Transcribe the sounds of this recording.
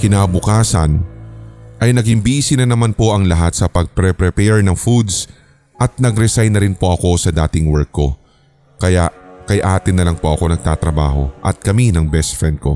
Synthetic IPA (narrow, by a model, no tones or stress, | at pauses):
kɪnaːbʊkaːsɐ̰n | ʔɐjnɐɡɪmbisɪnɐnɐmanpo̞ʔɐŋlɐɦat̪̚sɐpɐɡ̚pɾɛpɾɛpɛɹnɐŋfud̪s | ʔɐt̪̚nɐɡɾɛsajnːɐɾɪnpo̞ʔɐko̞sɐd̪aːt̪ɪŋwɛɹkːo̞̰ | kɐjaʔkɐjʔaːt̪ɪnːɐlɐŋpo̞ʔɐko̞nɐɡ̚t̪aːt̪ɾɐba̰ːho̞̰ʔɐ̰t̪̚kɐminɐŋbɛst̪fɹɛnd̪̚ko̞̰